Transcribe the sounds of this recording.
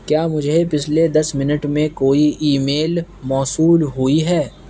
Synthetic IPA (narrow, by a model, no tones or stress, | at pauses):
kjaːmʊd͡ʒʱepɪt͡ʃʰled̪ɐsmɪnəʈmẽkoːiiːmeːl | mɔːsuːlɦʊiɦɛː